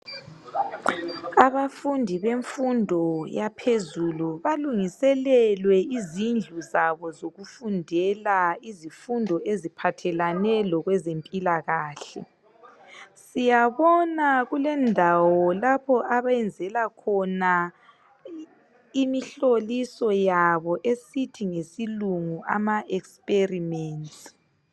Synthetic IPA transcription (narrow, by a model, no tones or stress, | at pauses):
aβafundʱiβeɱfundʱɔjapʰezuluβaluŋisɛlɛlwɛizind͡ɮʱuzaβɔzoɣufundʱɛlaizifundʱɔʔezipʰatʰɛlanɛlɔɣwɛzempʼilaɣaːɬɛ̰ | sijaβɔnaɣulɛndʱawɔlapʰɔʔaβaɛnd͡zʱɛlakʰɔna | imiɬolisɔjaβɔʔesitʰiŋesiluŋuʔa̰maʔɛkspʼerimɛːntʼ